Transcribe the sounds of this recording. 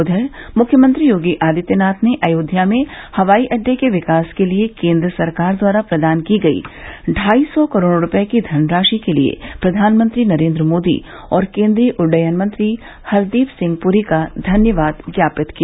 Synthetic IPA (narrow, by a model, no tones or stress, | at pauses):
ʊd̪ʱəmʊkʰːjəmə̃nt̪ɾijoːɡiʔaːd̪ɪt̪jənaːt̪ʰneʔɐːjoːd̪ʱjamẽhɐʋaːiʔɐɖːekeʋɪkaːskeliekẽːnd̪ɾəsɐɾkaːɾd̪waːɾapɾɐd̪aːnkiɡɐḭːɖʱaːisɔkɐɾoːɽɾʊpjekid̪ʱɐnɾaːʃikelḭḛpɾɐd̪ʱaːnmə̃nt̪ɾinɐɾẽːnd̪ɾəmoːd̪ḭ | ɔːɾkẽːnd̪ɾiəʔʊɾɖəjənmə̃nt̪ɾi | hɐɾd̪iːfsɪ̃ŋɡ̚puɾikad̪ʱɐnjəʋaːd̪ɡjaːpɪt̪kija